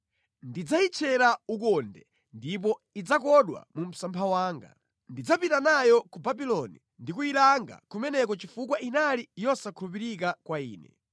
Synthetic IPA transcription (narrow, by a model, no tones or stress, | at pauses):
ndid͡zait͡ʃʰɛɾaukɔndɛ | ndip̬ɔid͡zakɔɗwa̰mum̩sampʰawaːŋɡa̰ | ndid͡zapitanajɔkubabilɔnḭ | ndik̬uilaŋɡa̰kumɛnɛkɔt͡ʃifukwainalijɔsakʰulup̬iɾik̬akwaiːnɛ̰